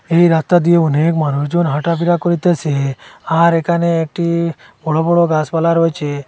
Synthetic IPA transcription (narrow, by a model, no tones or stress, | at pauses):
eiɾast̪ad̪ieɔnekmanusd͡ʒonɦaʈapiɾakɔɾit̪eseaɾekaneːk̚ʈi | bɔɭobɔɽɔɡasbalaɾɔet͡ʃʰe